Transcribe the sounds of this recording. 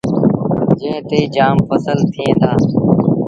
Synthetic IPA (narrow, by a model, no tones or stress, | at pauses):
d͡ʒɪ̃ɦt̪eːd͡ʒaːmpəsəlt̪ʰiːẽːd̪aː